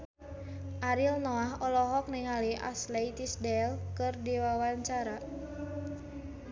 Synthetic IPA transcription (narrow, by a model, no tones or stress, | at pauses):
ʔaɾilnɔaɦɔlɔɦɔk̚niŋaliʔa̰sleit̪isdɛlkɨrdiwawaɲt͡ʃaɾa